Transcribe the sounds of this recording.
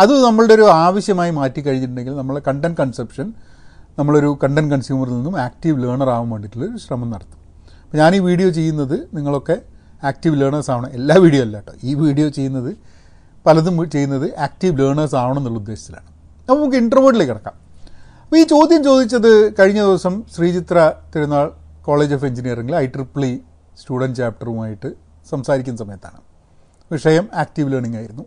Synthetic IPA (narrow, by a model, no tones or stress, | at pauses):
ɐðɨnɐmːɐɭɽeoɾuaːʋɐɕjɐmaːjimaːtːik̬ʲːɐɻiɲːiʈ̬ːuɳɖeŋɡilnɐmːɐɭɖekɐɳɖɐnkɐɳsepʂɐn | nɐmːɐɭoɾukɐɳɖɐnkɐɳsjuːmɐrninːumaːk̚ʈiʋleːɳɐraːʋumʋeːɳɖiʈːiloɾuɕrɐmɐmnɐɽɐt̪ːu̥m | ɐpːoɲaːniːʋiːɽijo̞ːt͡ɕe̞jːunːɐðɨniŋːɐɭo̞kːe̞ | aːk̚tiʋleːɳɐsaːʋɐɳɐme̞lːaːʋiːɽijoːɐlːaːʈːo̰iːʋiːɽijo̞ːt͡ɕe̞jːunːɐðɨ | pɐlɐðumt͡ɕe̞jːunːɐðɨʔaːk̚ʈiʋleːɳɐːsaːʋɐɳɐmnːuɭɐud̪ːe̞ːɕɐ̥t̪ːila̰ːɳɨ | nɐpːɐmːukːeiɳɖɐrʋoːɖilekːiɽɐkːa̰ːm | ɐpːoiːt͡ɕo̞ːd̪jɐmt͡ɕo̞ːd̪it͡ɕːɐðɨkɐɻiɲːɐðiʋɐsɐmɕriːt͡ɕit̪rɐt̪iɾunːaːɭ | ko̞ːɭeːd͡ʑoːfe̞ɲd͡ʑinijɐreŋɡilɐjʈripɭi | stuːɽɐnɖt͡ɕaːp̚ʈɐrumaːjiʈːɨ | sɐmsaːɾikʲːunːɐsɐmɐjɐt̪ːa̰ːɳɨ | ʋiʂɐjɐmaːk̚ʈiʋleːɳiŋːaːjiɾunːu